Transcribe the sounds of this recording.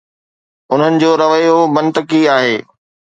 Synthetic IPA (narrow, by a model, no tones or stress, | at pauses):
ʊn̤ənɪ̆d͡ʑoːɾɐʋəjobɐ̃nt̪əkiaːɦeː